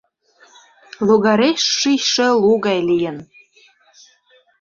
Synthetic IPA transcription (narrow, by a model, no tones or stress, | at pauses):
luɣɑɾeʃːijʃĕluɣɑjlijə̆n